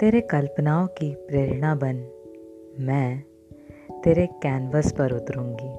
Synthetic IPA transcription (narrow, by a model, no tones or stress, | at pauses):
t̪eːɾekɐlpnaːõkipɾeːɾɽ̃abən | mɛ̃ː | t̪eːɾekɛːnʋəspɐɾʊt̪ɾũːŋɡiː